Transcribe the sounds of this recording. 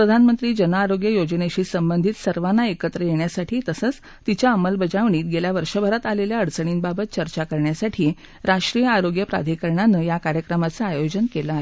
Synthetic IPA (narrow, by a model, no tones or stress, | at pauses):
pɾəd̪ʱanmənt̪ɾiːd͡ʑənaːɾoɡjəjod͡ʑneɕiːsəmbənd̪ʱiːt̪səɾʋanːaekət̪ɾəjeɳjasaʈʰiːt̪əsət͡s | t̪it͡ɕjaəməlbəd͡zaʋɳiːt̪̚ɡeljaʋəɾʂəbʱəɾat̪aleljaəɽt͡səɳ̃iːnbabət̪̚t͡ɕəɾt͡ɕakəɾɳjasaʈʰiː | ɾaʂʈɾijəaɾoɡjəpɾa̰d̪ʱikəɾɳanəjakaɾjəkɾəmat͡səajod͡ʑənkelaaɦe